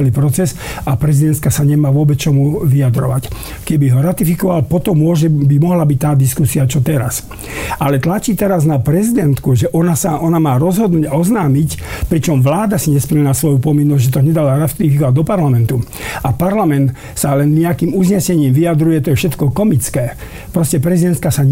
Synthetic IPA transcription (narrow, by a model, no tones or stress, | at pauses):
ɛlipɾɔt͡sɛsapɾɛzid̪ɛnt̪kasaɲɛmaːʋʊɔbɛt͡st͡ʃɔmuʋiad̪ɾɔ̰ʋac | kɛbiɦɔɾat̪ifikɔʋalpɔt̪ɔmːʊɔʒɛbimɔɦlabic̚ʲt̪aːd̪iskusiat͡ʃɔt̪ɛɾa̰s | alɛt̪lat͡ʃiːt̪ɛɾaznapɾɛzid̪ɛnt̪kuʒɛʔɔnasaʔɔnamaːɾɔzɦɔd̪nuːɟaɔznaːmicpɾit͡ʃɔmʋlaːd̪asiɲɛspɛɲɛnasʋɔjupɔminːɔzʲʒɛt̪ɔɲɛd̪alaɾat̪ifikɔʋaɟ̚ʲd̪ɔpaɾlamɛnt̪u | apaɾlamɛnt̪ | salɛnɲɛakiːmuzɲɛsɛɲiːmʋiad̪ɾujɛt̪ɔjɛfʃɛt̪kɔkɔmit͡skɛː | pɾɔscɛpɾɛzid̪ɛnt̪̚kasa